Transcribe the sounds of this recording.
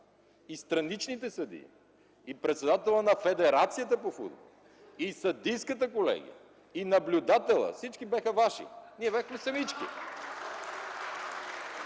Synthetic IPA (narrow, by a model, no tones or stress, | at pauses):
ist̪ɾɐnit͡ʃnit̪ɛsɐd̪ḭ | ipɾɛt̪sɛd̪at̪ɛlˠənɐfɛd̪ɛɾat̪sijət̪̬əpofṵd̪bolˠ | isɐd̪ijskət̪əkolɛ̰ɡ̟ḭjə̰ | inɐblʲud̪at̪ɛlˠə̰fsit͡ʃkibʲaxəvaʃḭniɛbɛxmɛsɐmit͡ʃki